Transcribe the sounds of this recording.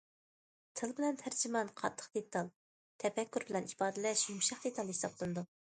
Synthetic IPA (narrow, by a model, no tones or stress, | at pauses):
t̪ʰɨlˠbɪlɛnt̪ʰæɾd͡ʒimɑnqʰɑ̰t̪ʰːə̥χd̪̥et̪ʰɑlˠ | t̪ʰɛpɛkʲːyɾbɪlɛnibɑːd̪ɪlɛʃjumʃɑχd̪et̪ʰɑlˠhisɑplˠɨnɨd̪u